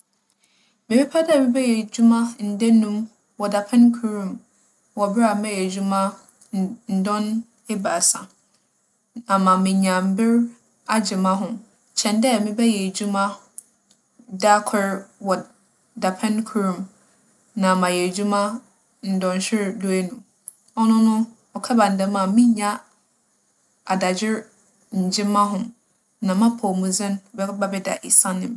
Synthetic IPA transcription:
mɪ̃˨bɪ˦pʰa˦dɛ˦˨mɪ̃˦bɛ˦jɛ˨d͡ʑu˦mã˦n̩˨de˦nũ˦m | wɔ˨da˨pʰɛ̃˦nkʰu˨ɾũ˨m | wɔ˨bɪ˦a˨˦mɛ̃˦jɛ˨d͡ʑu˦mã˦ | n̩˨dɔ̃˦n | e˦ba˨sã˨ | ã˨mã˨mɪ̃˨ɲã˨m̩˨bɪ˦ɾ | a˦d͡ʑɪ˨mã˦ɦʊ̃˨ | t͡ɕʰɛ̃˨ndɛ˦˨mɪ̃˦bɛ˦jɛ˨d͡ʑu˦mã˦ | da˦kʰɛ˦ɾwɔ˨ | da˨pʰɛ̃˦nkʰu˨˦ɾũ˨m | nã˨mã˨jɛ˨d͡ʑu˦mã˦ | n̩˨dɔ̃˨n˨ɕᶣɪ˦ɾdu˦e˦nũ˨ | ɔ˦nʊ̃˦nʊ̃˦ | ɔ˨kʰɛ˦ba˨n̩˨dɛ̃˦mã˨mɪ̃˦ɲã˦ | a˨da˨d͡ʑɪ˦ɾ | ɲ̩˨d͡ʑɪ˦mã˦ɦʊ̃˨ | nã˨mã˦pʰɔ˨mũ˨zɪ̃˦nbɛ˦ba˦bɛ˦da̰˨ʔi˨sã˦nɪ̃˨m

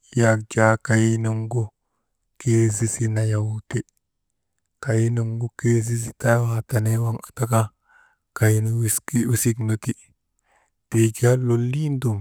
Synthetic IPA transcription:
ja˨k̚d͡ʒa˦ka˨ji˦no˦ŋɡu˦ | ke˦zi˦si˦na˨ja˨wu˦te˦ | ka˨ji˦no˨ŋɡu˦ke˦zi˦s̬i˨ta˦ha˨ta˨ne˦wa˦ŋḁ˨ta˦ka˦ | ka˨ji˦n˦wski˦wi˦si˦kno˨ti˦ | te˨ɡi˦a˦lo˨lːi˦ndu˨m

